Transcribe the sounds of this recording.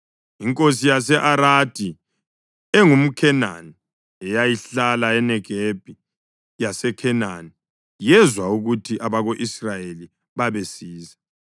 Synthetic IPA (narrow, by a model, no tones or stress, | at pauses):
iŋkʼosijasɛʔaɾad̥ʱi | ɛŋum̩kʰɛna̰ni | ɛjajiɬalaɛnɛɡ̥ʱeb̥ʱi | jasɛkʰɛna̰ni | jɛzwauɣutʰiʔaβaɣoʔisrajeli | βaβesiːza